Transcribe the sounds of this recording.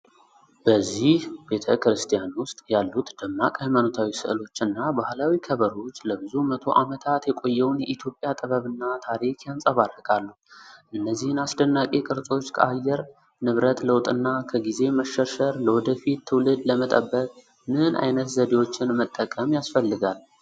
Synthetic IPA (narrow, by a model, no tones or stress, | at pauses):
b̥əzːihbe̞t̪ʰəkɾɨst̪ʰijanwʊst̪ʼjalːut̪d̪̥əmːakʼajmanot̪ʰawisɨ̰ʔlo̞t͡ʃːɨnːabahlawikʰəβəɾo̞t͡ʃːləbɨzumət̪ʰo̞ʔamət̪ʰat̪jɛkʼo̞jːɛwnjɛʔit̪ʰjo̞pʼːjat̪ʼɨβəβɨnːat̪ʰaɾikʰjansʼəβarːəkʼalːu | ʔɨnːəzːihɨnasd̪ənːakʼekʼɨɾsʼo̞t͡ʃːkʰa̰jːɛɾ | nɨβɾət̪ləwt̪ʼɨnːakʰəɡize̞məʃːəɾʃəɾləwɔd̪əfit̪ʰːɨwlɨd̪ləmət̪ʼə̰bːəkʼ | mɨnʔa̰jnət̪zəd̪e̞wo̞t͡ʃːɪnmət̪ʼːəkʼəmjasfəlːɨɡalː